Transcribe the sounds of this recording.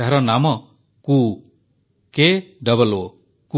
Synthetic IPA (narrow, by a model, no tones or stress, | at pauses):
aɦɾɔnamɔ | ku | keɖɔβɔlo | ku